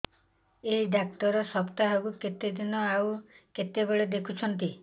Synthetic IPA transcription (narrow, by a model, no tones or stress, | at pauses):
eɦiɖak̚t̪ɔɾɔsɔpt̪aɦekuket̪ed̪inɔawket̪ebeɭed̪ekʰut͡ʃʰɔnt̪i